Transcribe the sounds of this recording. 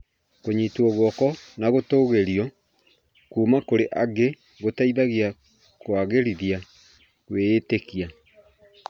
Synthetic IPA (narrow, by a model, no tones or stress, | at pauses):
koɲitwɔɣwɔkɔnaɣotoːɣeɾjɔ | kuːmakoɾeʔaɡe | ɣotaiðaɣia | kwaːɣeɾiðia | ɣweːtekia